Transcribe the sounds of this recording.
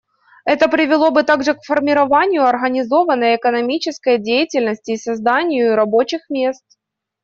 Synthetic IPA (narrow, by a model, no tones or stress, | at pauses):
ɛt̪əpɾʲɪvʲɪlˠo̞bɨt̪aɡʐɨkfərmʲɪɾɐvanʲɪjʊɐrɣənʲɪzo̞vənːəjɛkənɐmʲit͡ɕɪskəjdʲejɪtʲɪlʲnəsʲtʲɪːsɐzd̪anʲɪjʊɾɐbo̞t͡ɕɪxmʲe̞st̪̚